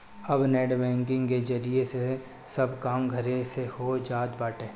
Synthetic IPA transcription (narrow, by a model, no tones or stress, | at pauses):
ɐbnɛːɖbɛ̃ːŋkɪ̃ŋɡked͡ʒɐɾiese | sɐbkaːmɡʱɐɾesehod͡ʒaːd̪baːʈeː